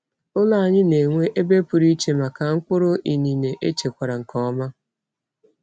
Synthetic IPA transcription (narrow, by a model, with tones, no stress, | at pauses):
ʊ˦la˦a˨ɲɪ˦ne˨ŋʷe˦ʔe˦be˦pʊ˨ɾi˦t͡ʃe˦ma˨ka˨ŋ̩˦kʷʊ˦ɾʊ˦ʔi˨ni˨ne˨ʔe˦t͡ʃe˨kʷa˨ɾa˨ŋ̩˨kɔ˦ma˦